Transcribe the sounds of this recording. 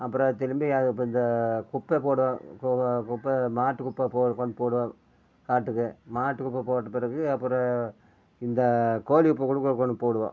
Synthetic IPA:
ɐpːɯɾɐ̃t̪ɛlɯmbijaːpːɐɪnd̪ɐkʊpːepoːɽɯʋãːkkʊpːɐmaːʈːɯkʊpːɐpoːkɔɳpoːɽɯʋãː | kaːʈːɯkːɯmaːʈːɯkʊpːɐpoːʈːɐpɪɾɐɣɯɐpːɯɾɐ̃ | ɪnd̪ɐkoːlikʊpːɐkʊɽɯkːɯkːɔɳpoːɽɯʋã̰ː

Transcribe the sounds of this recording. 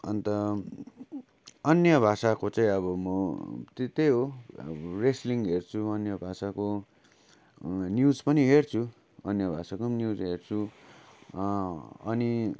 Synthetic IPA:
ʌnt̪ʌ | ʌnjʌbʱasakot͡sãĩʌbʌmʌt̪et̪ejɦo | resliŋɡɦert͡sʰuʌnjʌbʱasako | njud͡zpʌniɦert͡sʰu | ʌnjʌbʱasakomnjud͡zɦert͡sʰu | ʌni

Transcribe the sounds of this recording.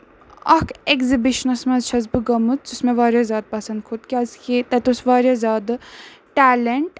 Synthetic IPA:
ɐkʰekzibiʃɐnɐsmɐzt͡ʃʰɐzbɨɡɐmɨt̪t͡susmẽʋaːɾjazʲaːd̪̚pɐsɐnd̪̚kʰot̪kʲiɐːzkʲit̪ɐt̪osʋaːɾʲjazʲaːd̪ɨʈæːleɳʈ

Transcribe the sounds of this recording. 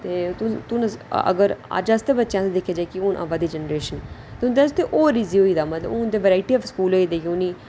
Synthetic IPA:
t̪eːt̪ʊt̪ʊnəzə̰ɡəɾa̰d͡ʒast̪ebətːʃjãːt̪ed̪ɪkʰːeːd͡ʒakɪʊnʔa̰ʋaːd̪iːd͡ʒənɾeːʃənt̪eʊ̃nd̪est̪eʔoːɾiziːoːiːd̪aːmət̪ləbʊnd̪eːʋəɾaːɪʈiːɔːfskuːloːiːd̪eːjuːniː

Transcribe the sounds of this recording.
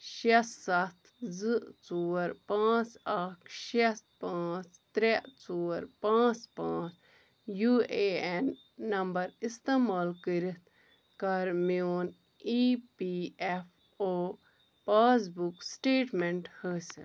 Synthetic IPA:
ʃɐsːɐt̪ʰzɨt͡soːɾpãːt͡sakʰʃespãːt͡st̪ɾeʔt͡soːɾpãːt͡spãːt͡s | juːeenː | ɐmbɐɾist̪emaːlkəɾit̪ʰ | kɐɾmoːn | ipiefʰ | oː | paːz̬buksʈeːʈmeɳʈhəːsḭ

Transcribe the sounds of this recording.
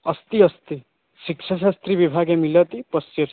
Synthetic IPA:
ʌst̪iʌst̪i | ʃikʃʰaʃ̬ast̪ɾiʋibʱaɡemilət̪ipəsjeɾ

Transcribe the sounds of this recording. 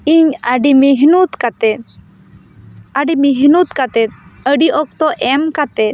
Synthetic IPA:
iɲaɖimiɦnut̪kat̪ɛt̪ | aɖimiɦnut̪kat̪ɛt̪̚əɖiʔɔk̚t̪ɔʔɛmkat̪ɛt̪

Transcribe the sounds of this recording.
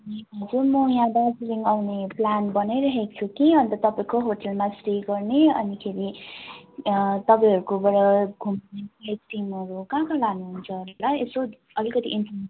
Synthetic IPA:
ʌniʌd͡zumʌjãd̪asɾiŋawneplanbʌnajɾʌɦek̚t͡sʰukiʌnt̪ʌt̪ʌpãĩkoɦoʈʌlmasriɡʌrneʌnikʰeɾi | t̪ʌpãj̃ɦʌɾukobʌɾʌɡʱumneaʈimʌɾukãkalanuɦunt͡sʰʌolaeso | ʌlikʌt̪iʔinpʰ

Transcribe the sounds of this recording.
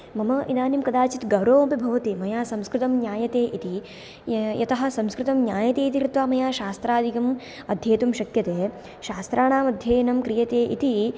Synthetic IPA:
mɐmɐʔid̪aːnimkɐd̪aːt͡ʃit̪ɡɐʋɾoːɐbibʱɐʋɐt̪imɐjaːsɐmskɾɪt̪ɐmnjaːjɐt̪eːʔit̪i | jɐt̪ɐɦɐ̆sɐmskɾɪt̪ɐmnjaːjɐt̪eːit̪̬iɾit̪ʋaːmɐjaːʃaːst̪ɾaːd̪ʱikɐm | ɐd̪ʱjeːt̪umʃɐkjɐt̪eː | ʃaːst̪ɾʔaːɳaːmɐd̪ʱjɐːjɐnɐmkɾijɐt̪eːʔḭt̪i

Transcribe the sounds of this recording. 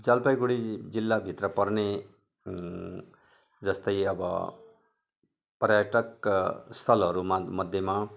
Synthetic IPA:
d͡zʌlpajɡuɽid͡zilːabʱit̪rʌpʌrne | d͡zʌst̪ʌjʌbʌ̰ | prjaʈʌkst̪ʰʌlʌɾumamʌd̪ʱjema

